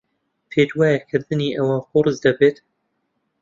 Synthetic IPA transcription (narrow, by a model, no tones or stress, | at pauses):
pʰeːd͡ʒwɑːjɛkʰɨɾd̪ɨniːʔɐwaːxʊɾɨzd̪ɐbeːt̪